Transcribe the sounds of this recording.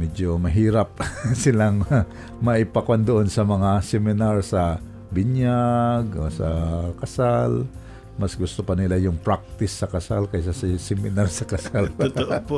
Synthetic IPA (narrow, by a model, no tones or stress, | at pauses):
mɛd͡ʒomɐɦiːɾap̚sɪlaŋ | mɐʔɪpakwand̪oʔonsɐmɐŋasɛmɪnaɹsɐ | bɪɲjaɡosɐ̰kɐsal | mɐsɡʊst̪opɐnɪlajʊŋpɹak̚t̪ɪsːɐkɐsalkɐjsɐssɛmɪnaɾsɐkɐsal